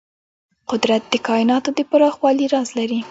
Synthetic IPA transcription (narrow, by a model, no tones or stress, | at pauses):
qʊd̪ɾat̪̚d̪əkɑɪnɑt̪od̪əpaɾɑxwɑliɾɑzlaɾi